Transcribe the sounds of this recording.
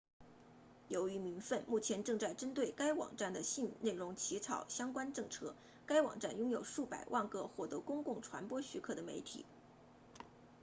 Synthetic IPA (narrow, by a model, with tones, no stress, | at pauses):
jo˧˥ʊy˧˥mi˧˥nfə˥˧nmu˥˩t͡ɕʰjɛ˧˥nʈ͡ʂɤ˥˧ŋt͡sa˥˩ɪʈ͡ʂə˥nt̪we˥˩ɪka˥ɪwɑ̰˨˩ŋʈ͡ʂa˥˩nd̪ə˩ɕi˥˧n˨˩ne˥˩ɪɻʊ˧˥ŋt͡ɕʰi˧˥t͡sʰɑ˨˩ʊɕjɑ˥ŋkwa˥nʈ͡ʂɤ˥˩ŋʈ͡ʂʰɤ˥ | ka˥ɪwɑ̰˨˩ŋʈ͡ʂa˥˩njʊ˥ŋjo˨˩ʊʂu˥˩pa˨˩ɪwʔa˥˩nkɤ˥xwɔ˥˩t̪ɤ˧˥kʊ˥ŋkʊ˥˩ŋʈ͡ʂʰwa̰˧˥npwɔ˥ɕy˧˥kʰɤ˥˩d̪ə˩me˧˥ɪt̪ʰḭ˨˩˦